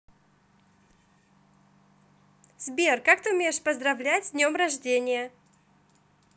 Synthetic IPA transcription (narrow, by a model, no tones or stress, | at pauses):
z̥bʲerkakt̪ɨʊmʲejɪʂpəzd̪ɾɐvlʲætʲzdʲnʲomɾɐʐdʲenʲɪjə